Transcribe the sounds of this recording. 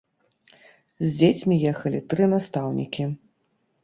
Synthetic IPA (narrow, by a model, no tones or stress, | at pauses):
zʲd͡zʲet͡sʲmʲijɛxɐlʲit̪ɾɨnast̪awnʲḭkʲi